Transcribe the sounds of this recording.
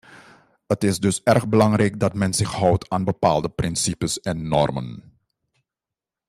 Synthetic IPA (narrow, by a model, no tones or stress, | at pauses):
ɦətɪsdɵsɛrχbəlɑŋrɛjk̚dɑtmɛnzɪxɦɔwtʰaːnbəpaːlˠdəprɪnsipəsɛnːɔ̰rmə̰n